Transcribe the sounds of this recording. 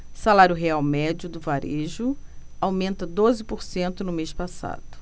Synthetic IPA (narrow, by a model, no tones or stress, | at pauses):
salaɾʲjʊɦeawmɛd͡ʒʊd̪ʊvaɾʔeʒʊawmẽnt̪ɐd̪ozɪpoɾsẽnt̪ʊnʊmeʃpasa̰d̪ʊ